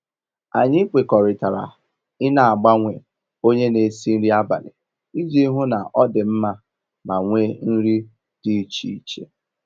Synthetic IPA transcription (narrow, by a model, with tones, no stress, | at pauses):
a˨ɲɪ˦k͡pʷe˨kɔ˨ɾɪ˨ta˨ɾa̰˨ | ɪ˦na˨a˨ɡ͡ba˦ŋʷe˨ | o˦ɲe˦ne˨si˦n̩˦ɾi˦a˦ba̰˨nɪ̰˨ | i˦d͡ʒi˦i˦ɦu˦na˨ʔɔ˦dɪ˨m̩˦ma˦ | ma˨ŋʷe˦n̩˦ɾi˦ | d̥i˨˦t͡ʃi˦i˦˨t͡ʃḛ˦